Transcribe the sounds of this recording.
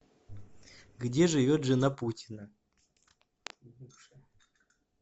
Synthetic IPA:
ɡdʲeʐɨvʲot̪ʐɨnaputʲɪnə

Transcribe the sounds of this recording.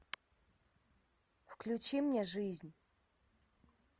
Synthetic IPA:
fklʲʊt͡ɕimnʲeʐɨzʲnʲ

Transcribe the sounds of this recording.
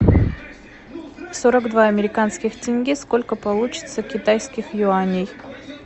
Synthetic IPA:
fsoɾəɡd̪vaɐmʲɪɾʲɪkanskʲɪxtʲɪnʲɡʲisko̞lʲkəpɐlˠut͡ɕɪ̥t̪səkʲɪt̪ajskʲɪxjʊanʲɪj

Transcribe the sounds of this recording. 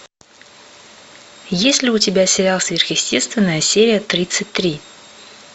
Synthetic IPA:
jesʲlʲɪʊtʲɪbʲasʲɪɾʲalˠsvʲerxjɪsʲtʲe̞st̪vʲɪnːəjəsʲeɾʲɪjət̪ɾʲit̪sɨtʲt̪ɾʲi

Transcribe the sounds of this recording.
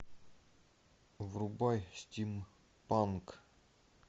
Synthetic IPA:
vɾubajst̪ʲim | pank

